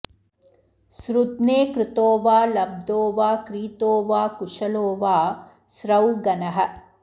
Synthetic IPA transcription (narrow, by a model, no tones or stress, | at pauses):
sɾut̪neːkɾɪt̪oːʋaːlɐb̚d̪oːʋaːkɾiːt̪oːʋaːkuʂɐloːʋaː | sɾɐwɡɐnɐɦɐ̆